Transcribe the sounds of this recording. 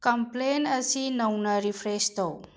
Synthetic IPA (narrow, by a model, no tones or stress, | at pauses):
kɐmplenəsinəwnɐɾipʰɾest̪ow